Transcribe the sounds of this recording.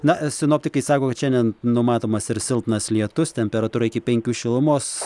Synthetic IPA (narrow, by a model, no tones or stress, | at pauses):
nɐsʲɪnoːpʲt̪ʲɪkɐɪsɑːkoːkɐt̪ʃʲɛnʲdʲɛnnʊmɑːt̪oːmɐsɪɾsʲɪlˠpnɐslʲiɛt̪ʊst̪ʲɛmʲpʲɛɾɐt̪uːɾɐɪkʲɪpʲɛŋʲkʲuːʃʲɪlˠʊmoːs